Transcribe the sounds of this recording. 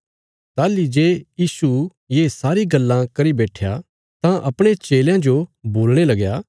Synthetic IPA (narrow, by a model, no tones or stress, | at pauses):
t̪aːlid͡ʒeːjiːsu | jeːsaːɾiɡɐlːãkɐɾibɛːʈʰja | t̪ãʔɐpɽ̃et͡ʃeːljãd͡ʒoboːlɽ̃elɐɡjaː